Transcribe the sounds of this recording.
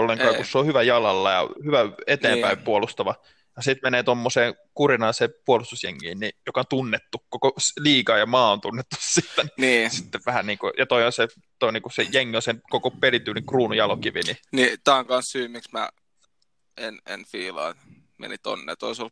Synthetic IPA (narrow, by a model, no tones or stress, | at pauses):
olːeŋkkɑːkusseohyʋæjɑlɑlːɑjɑ̰hyʋæet̪eːmpæimpuolust̪ɑʋɑ | jɑsit̪meneːt̪omːoseːŋkurinɑnsepuolust̪usjḛŋːḭːnnijokɑont̪unːet̪ːukokosliːkɑːjɑmɑːont̪unːet̪ːu̥sːit̪ːæniniːsi̥t̪ːeʋʋæhæniːkujɑt̪oiõnse | t̪oinikusejeŋːiõnsenkokopelit̪yːliŋkruːnujɑlokiʋḭninit̪æːŋkɑnssyːmːiksmæ̰ | enḛnfiːlɑ̰ːt̪ | mḛnit̪o̰nːḛːt̪o̰isol